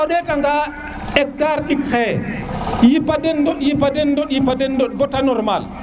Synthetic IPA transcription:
ɔɗɛtaŋɡa | ʔɛk̚taɾɗikxɛ | jipːadɛndɔɗjipːadɛndɔɗjipadɛndɔɗ̚bɔtanɔɾma̰l

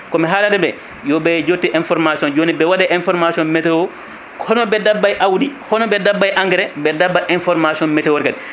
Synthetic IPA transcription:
kɔmɛɦalatɛbɛ | jɔbɛd͡ʒotːiʔɛnfɔɾmasiɔnd͡ʒonibɛwadɛʔɛnfɔɾmasiɔnmɛtɛwɔ | hɔnɔbɛdabːajʔawdihɔnɔbɛdabːajʔaŋɡɾɛbɛdabːaʔɛnfɔɾmasiɔnmɛtɛwɔɾkadɛ

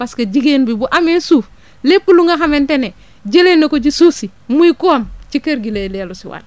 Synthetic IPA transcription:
baskaɟiɡenbibuʔamesuːf | lepːuluŋaxamentene | d͡ʒelenːokoɟisusi | muikuamt͡ʃikeɾɡilelialusiwa̰l

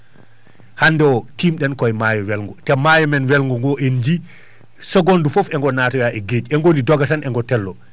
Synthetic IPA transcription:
handɛwɔtimɗɛnkɔɛmajɔwɛlŋɡɔtɛmajɔmɛnwɛlŋɡɔŋɡɔʔend͡ʒi | sɛɡɔndufɔfɛŋɡɔnatɔjaʔɛɡed͡ʒɛŋɡonidɔɡatanɛŋɡɔtɛlːɔ

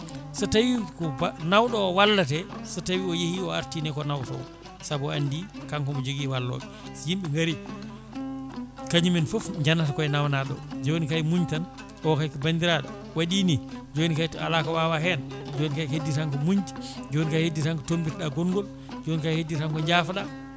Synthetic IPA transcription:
satawikɔnawɗɔːwalːatɛsatawiɔjehiɔa̰ɾtiːnɛkɔnawtɔ̰w | sabɔandikaŋkɔmɔd͡ʒoɡiwalːɔ̰ɓɛ | sjimɓɛŋɡaɾi | kaɲuminfofɲd͡ʒanːatakɔɛnawnaɗɔ̰d͡ʒonikajmuɲtan | ɔkakɔbandiɾaɗɔ | waɗinid͡ʒonikajtɔa̰lakawawaɦɛnd͡ʒonikajhedːitaŋkɔmuɲd͡ʒi̥d͡ʒonikajhedːitaŋkɔtombitɛɗaɡɔŋɡɔl | d͡ʒonikajhedːitaŋkɔɲd͡ʒaːfaɗa

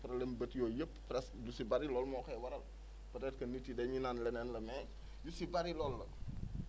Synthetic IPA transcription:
pɾɐlɛnbətjɔːjəpːpɾɛsdusibaɾilɔlmɔːkɐjwɐɾɐl | pɐɾɛt̚kɐnitːidɛɲinanlɛnɛnlɐmɛː | jusibaɾilɔːlːɐ

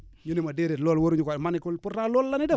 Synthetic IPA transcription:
ɲunimadeɾetlɔlwoɾuɲukamanikulpuɾalɔlːanidɛ

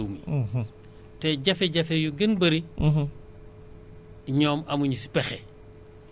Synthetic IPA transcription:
wmi | tɛɟɐfɛɟɐfejuɡinbɐɾi | ɲɔːmɐmuɲusi̥pɛxɛ

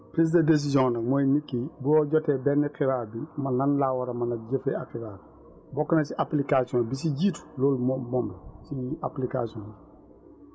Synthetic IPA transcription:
pɾiːs̬dɐdes̬izjɔ̃ŋnɐkmojnikːibuɔɟɔtɛbɛnːiqiɾaːɾbimɐnɐnlawaɾɐmɐnɐɟefeakiɾaːɾ | bɔkːɐnɐsiʔaplikasiɔ̃nbis̬iɟiːtu̥loːlmmɔmbɐsiaplikasiɔ̃n

